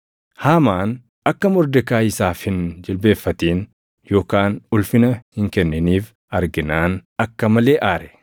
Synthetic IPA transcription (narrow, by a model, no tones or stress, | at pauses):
haːmaːn | ɐkːɐmʊɾd̪ɛkaːɪsaːfhɪnd͡ʒɪlbe̞ːfːɐt̪iːn | jo̞ːkaːnʊlfɪnɐhɪŋkɛnːɛniːf | ɐɾɡɪnaːnɐkːɐmɐleːʔaːɾɛ̥